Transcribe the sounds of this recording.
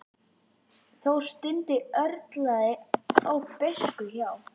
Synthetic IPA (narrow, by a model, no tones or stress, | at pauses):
θowst̪ɪnt̪ɪœɾt̪laðɪawpɪskʏçaw